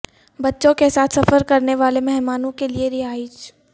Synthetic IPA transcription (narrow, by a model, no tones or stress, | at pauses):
bɐtːʃõkesaːt̪ʰsɐfəɾkɐɾneʋaːlemɛɦmaːnõkelieɾɪɦaːit͡ʃ